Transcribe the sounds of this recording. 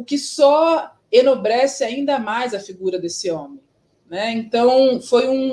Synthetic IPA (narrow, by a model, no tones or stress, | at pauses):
ʊkɪsɔ | enobɾɛsɪaĩnd̪ɐmajzɐfiɡuɾɐd̪esɪõmẽj̃ | nɛẽnt̪ɐ̃w̃fojũ